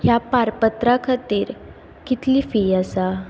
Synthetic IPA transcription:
ɦjapaɾpət̪ɾakʰat̪iːɾ | kit̪liːfiːasa

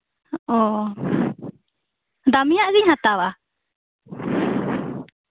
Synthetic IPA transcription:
ɔ | d̪amijaʔɡiɲhat̪awa

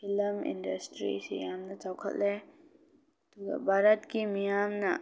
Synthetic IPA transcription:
ɪləmɪ̰̃ɳɖəsʈɾḭsḭamnat͡ʃɔːkʰə̰lɛ | t̪o̰bʱaːɾət̪kimijaːmna

